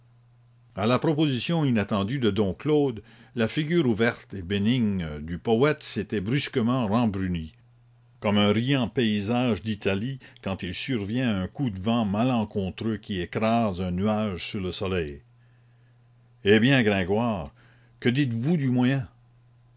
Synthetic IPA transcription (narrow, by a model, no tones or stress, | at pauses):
alapɾɔpozisjɔ̃inat̪ɑ̃d̪yd̪əd̪ɔ̃kloːd̪lafiɡʲyːɾuvɛʁt̪ebeniŋd̪ypɔɛt̪set̪ɛbɾyskəmɑ̃rɑ̃bɾyni | kɔmɛ̃ʁijɑ̃peizaːʒd̪it̪ʰalikɑ̃t̪ilsyʁvjɛ̃ɛ̃kud̪vɑ̃malɑ̃kɔ̃t̪ɾøkʲiekɾazɛ̃nyaʒsyʁləsɔlɛj | ebjɛ̃ɡʁɛ̃ɡwaːʁ | kəd̪it̪vud̪ymwajɛ̃